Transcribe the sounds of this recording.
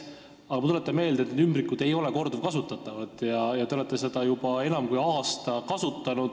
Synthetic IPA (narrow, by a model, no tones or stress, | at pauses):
ɑɡ̥ɑmɑt̪ulet̪ːˑɑnme̞ːld̪et̪ned̪ymbɾikːˑud̪̥e̞jo̞le̞ko̞rd̪uvkɑsut̪ːˑɑt̪ːˑɑvɑt̪ːˑjɑjɑt̪ee̞t̪ˑːese̞d̪̥ɑjub̥ɑe̞nɑmkujɑːst̪ɑkɑsut̪ːˑɑnud̪̥